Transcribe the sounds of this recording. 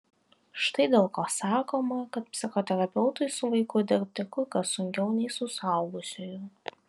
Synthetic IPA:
ʃt̪ɐɪd̪ʲeːlˠkoːsɑːkoːmɐkɐt̪̚pʲsʲɪxoːt̪ʲɛɾɐpʲɛʊt̪ʊɪsʊʋɐɪkʊd̪ʲɪɾʲp̚ʲt̪ʲɪkʊɪkɐsʊŋʲkʲɛʊnʲɛɪsʊsɑʊɡʊsʲoːju

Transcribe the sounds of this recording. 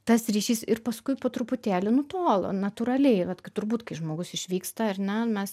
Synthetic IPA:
t̪ɐsɾʲiːʃʲiːsɪrpɐskʊɪpoːt̪ɾʊpʊt̪ʲæːlʲɪnʊt̪oːlˠo̰ːnɐt̪ʊɾɐlʲɛɪʋɐt̪kɐɪt̪ʊɾbuːt̪kɐɪʒmoːɡʊsɪʃʲʋʲiːkst̪ɐɐrnʲɛmʲɛs

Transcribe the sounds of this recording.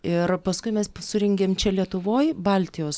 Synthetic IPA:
ɪrpɐskʊɪmʲɛssʊɾʲɛŋʲɡʲeːmt͡ʃʲɛlʲiɛt̪ʊʋoːjbɐlʲt̪ʲɪjoːs

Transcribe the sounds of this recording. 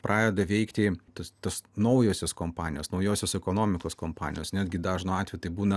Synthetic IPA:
pɾʔɑːjʲeːd̪ɐʋʲɛɪkt̪ʲɪt̪ost̪ɐsnɐʊjoːsʲoskoːmpɑːnʲɪjoːsnɐʊjoːsʲoːsɛkoːnoːmʲɪkoːskompɑ̰ːnʲɪ̰joːsnʲæːd̪ʲɡʲɪd̪ɑːʒnoɑːt̪ʲʋʲɛjt̪ɐɪbuːnɐ

